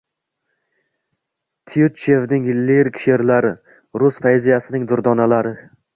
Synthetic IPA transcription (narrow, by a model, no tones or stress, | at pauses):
t̪ʰijʊt͡ʃːe̞vnɪŋɪlːeɾkʰʲʃe̞ɾlaɾɪ | ɾʊsfajzijasɪnɪŋd̪ʊɾd̪ɒnalaɾɪ